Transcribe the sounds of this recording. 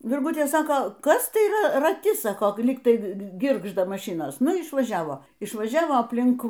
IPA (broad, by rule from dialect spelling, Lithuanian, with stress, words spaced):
ʋʲɪrˈɡʊtʲeː ˈsɑːkoː ˈkɐs tɐɪ ˈrɐ rɐˈtʲɪ ˈsɑːkoː ˈlʲiːk ˈtɐɪ ˈɡʲɪrɡʒdɐ mɐˈʃʲɪnoːs ˈnʊ ɪʃʋɐˈʒʲæːʋoː ɪʃʋɐˈʒʲæːʋoː ɐpʲˈlʲɪŋk